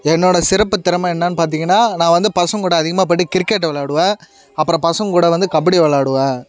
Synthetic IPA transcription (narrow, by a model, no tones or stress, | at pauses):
ɛnːoːɽɐsɪɾɐpːɯt̪ːɪɾɐmaɛnːaːnːɯpaːɾt̪̬iːŋɡɐnːaːnãːʋɐnd̪ɯpɐsɐ̃ŋkuːɽɐːðɪɣɐmaːp̬ɐʈːɯkɪɾkːɛʈːʋɐɭaːɽɯʋẽː | ɐpːɯɾɔ̃ːpɐsɐ̃ŋkuːɽɐʋɐnd̪ɯkɐbɐɽiʋɐɭaːɽɯʋẽː